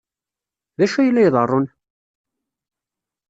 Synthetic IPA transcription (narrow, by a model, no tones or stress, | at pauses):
ðæʃæjlːæjðˤərˤːon